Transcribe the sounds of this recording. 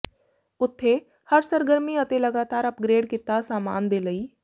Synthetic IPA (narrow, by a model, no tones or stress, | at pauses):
ʊt̪ʰːe | həɾsəɾɡəɾmiɐt̪elɐɡaːt̪aːɾɐpɡɾeːɖkɪt̪ːasaːma̰ːnd̪eːlɐiː